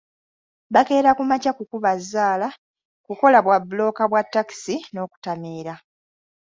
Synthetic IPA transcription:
βake̞ːɾakumacakukuβazːaːla | kuko̞laβwabulo̞ːkaβwatːaki̥sino̞ːku̥tamiːɾa

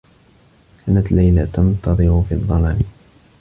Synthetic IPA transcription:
kaːnat̪lajlat̪ɑnt̪ɑðˤɨɾʊfiːðˤːɑlaːn

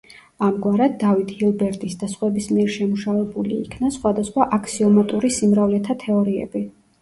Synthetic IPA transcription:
amɡwaɾad̪ːavit̪ʰɡilˠbɛɾt̪ʼisd̪asχwɛbismiɛɾʃɛmuʃavɛbulḭːkʰnasχwad̪asχwaʔakʰsiɔmat̪ʼuɾisimɾavlɛt̪ʰat̪ʰɛɔɾiɛ̰bi

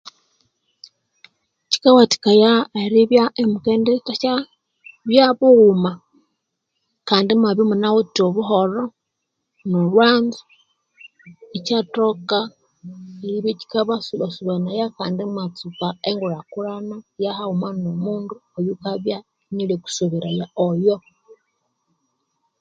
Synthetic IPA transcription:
t͡ʃi̥kawati̥kajaeɾiβjaemukeːndetat͡ʃa | βjaβuuma | kaːndimaβjomunawotoβuɦoɾo | nolwaːnzu̥ | it͡ʃatoka | iɾiβet͡ʃi̥kaβasuβasuβanajakaːndimat͡sukaeŋɡuɾakuɾanajahaumanomuːnduojukaβja | nileku̥suβiɾajaojo

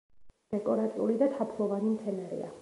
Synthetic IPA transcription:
d̪̥ɛkʼɔɾat̪ʼiulid̪at̪ʰapʰlˠɔvanimt̪ʰɛnaɾḭa̰

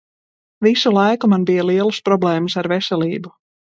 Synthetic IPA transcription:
visulˠajkumanbijaliɛlˠspɾɔblˠeːmɨsaɾvɛsʲɛlʲiːbu

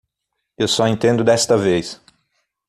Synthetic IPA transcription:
ewsɔẽt̪ẽnd̪ʊd̪ɛst̪ɐvejs

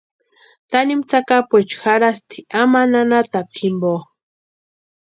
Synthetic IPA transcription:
t̪animt͡sakapʷet͡ʃxaɾast̪ʰiamananat̪apʰimbo

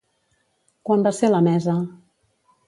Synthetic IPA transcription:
kwambaseləmɛzə

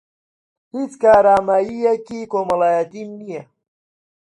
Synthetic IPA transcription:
hit͡skaːɾaːmaːjijakikomɐlaːjat̪imnija

